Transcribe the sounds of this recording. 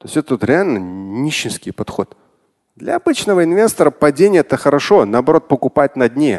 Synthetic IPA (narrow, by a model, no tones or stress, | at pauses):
t̪o̞sʲɛt̪ət̪ot̪ɾʲɪalʲnənʲiɕːɪskʲɪjpɐt̪xo̞t̪ | d̪lʲɐ̰ɐbɨt͡ɕnəvəɪnvʲe̞st̪əɾəpɐdʲenʲɪjəɛt̪əxəɾɐʂo̞nəːbɐɾo̞t̪̚pəkʊpat̚ʲnɐd̪ʲnʲe